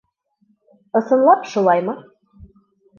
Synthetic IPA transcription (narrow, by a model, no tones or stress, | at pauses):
ɤ̆sɤ̆nlˠɑpʃulˠɑjmɤ̆